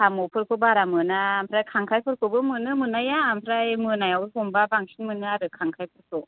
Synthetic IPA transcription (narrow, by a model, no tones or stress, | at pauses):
amupʰɯɾkʰɯbaɾamɯnampʰɾajkʰaŋkʰajpʰɯɾkʰɯbɯmɯnɯmɯnajaːmpʰɾajmɯnajawhumbabaŋsʰinmɯnɯaɾɯkʰaŋkʰajpʰɯɾkʰɯ